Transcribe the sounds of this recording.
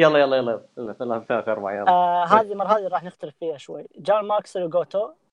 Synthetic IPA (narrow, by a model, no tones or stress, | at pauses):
jɑlːɑjɑlːɑjɑlːɑjllɪlant̪akɑɾˤbaʕajɑlɦaːðimɑɾˤɑhaːðiɾˤɑːħnɪxt̪aɾɪffiːhaʃwa̰jːd͡ʒaːmaʔksɪlwɡoːt̪o